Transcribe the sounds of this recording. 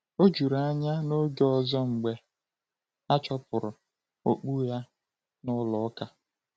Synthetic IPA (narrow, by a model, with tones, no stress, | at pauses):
o˦d͡ʒu˨ɾa˨a˦˨ɲa˦no˦ɡe˦ɔ˦zɔ˦ŋ͡m̩˨ɡ͡be˨ | a˦t͡ʃɔ˦pʊ˨ɾʊ˨ | o˨k͡pu˦ja˦ | nʊ˦lɔ˨˦ka˨